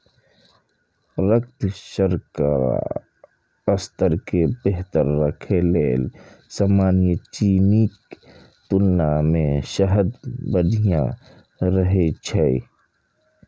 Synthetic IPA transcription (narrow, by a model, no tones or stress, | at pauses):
ɾək̚t̪ʃəɾka̰ːɾa̰ | əst̪əɾkebeɦt̪əɾːəkʰeleːl | samaːnijət͡ʃiːnik | t̪ʊlːamẽʃəɦəd̪bədʱijã̰ | ɾəɦet͡ʃʰɛi